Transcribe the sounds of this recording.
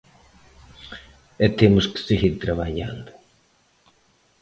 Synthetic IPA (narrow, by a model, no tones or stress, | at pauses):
ɛt̪emʊske̥siɣiɾt̪ɾɐβaʎa̰nd̪ʊ